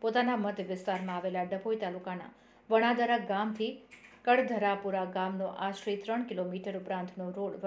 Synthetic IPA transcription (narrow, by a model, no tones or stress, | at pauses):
pot̪anaməd̪ʱjəʋɪst̪aɾmãːʋelaɖəbojt̪alukana̰ | ʋəɽ̃ad̪əɾaɡamt̪ʰikəɽd̪ʱəɾapuɾaɡamnoʔaʃɾit̪ɾəɳkilomiʈəɾʊpɾãnt̪ʰnoɾoɽʋ